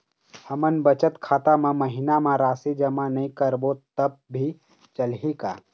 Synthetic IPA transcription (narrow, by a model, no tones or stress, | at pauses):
həmənbət͡ʃət̪kʰaːt̪amãməɦɪnamãɾaːsid͡ʒəmanɐĩkəɾbot̪əb̚ːʱi | t͡ʃəlɦikaː